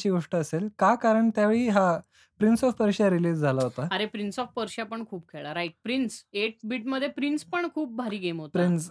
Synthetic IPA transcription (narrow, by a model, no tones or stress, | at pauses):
t͡ɕiːɡʱoʂʈəəselkakaɾəɳt̪jaʋeɭiːɦa | pɾinsɔfpəɾɕaɾiliːd͡zd͡zʱalaɦot̪aəɾepɾinsɔfpəɾɕapəɳkʰuːp̚kʰeɭaɾajʈ̚pɾinseʈ̚biʈməd̪ʱːjepɾinspəɳkʰuːp̚bʱaɾiːɡemɦot̪pɾins